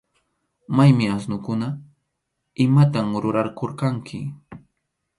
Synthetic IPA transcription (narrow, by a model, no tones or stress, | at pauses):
majmɪasnʊkʊna | ɪmat̪amɾʊɾaɾkoɾkaŋkʰɪ̰